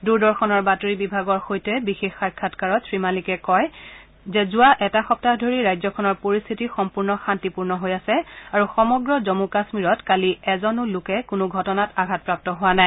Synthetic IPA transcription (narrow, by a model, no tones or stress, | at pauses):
duɹdɔɹxʰɔnɔɹbatoɹibibʱaɡɔɹxojtɛbixexːakʰːatkaɹɔtsɹimalikɛkɔj | zɛzʊaʔɛtaxɔp̚tadʱoɹiɹajzɔkʰɔnɔɹpoɹist̪ʰitixɔmpuɹnɔxantipuɹnɔɦojasɛaɹuxɔmɔɡɹɔzɔmukasmiɹɔtkaliɛzɔnʊlʊkɛkʊnʊɡʱɔtɔnataɡʱat̚pɹap̚tɔɦʊwanaj